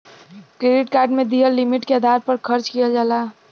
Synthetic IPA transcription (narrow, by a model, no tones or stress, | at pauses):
kɾeɖiʈkaːɾɖmẽd̪iəllimiʈkeəd̪ʱaɾpəɾkʰəɾt͡ʃkijad͡ʒaːla